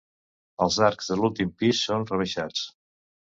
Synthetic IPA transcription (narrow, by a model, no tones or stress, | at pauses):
əlˠzaɾkzðəlulˠt̪impisːonrəβəʃat͡s